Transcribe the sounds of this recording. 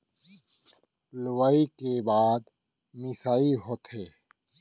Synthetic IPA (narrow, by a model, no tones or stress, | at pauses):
lʊwaːikebaːd̪ | mɪsaːiɦoːt̪ʰɦeː